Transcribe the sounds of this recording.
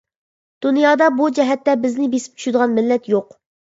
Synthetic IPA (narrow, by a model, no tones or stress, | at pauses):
d̪̥unjɑːd̪ɑbud͡ʒɛɦɛt̪ːɛbɪznɪbesɪ̥p̚t͡ʃʰy̥ʃɪd̪əʁɑnmɪlːɛt̪joq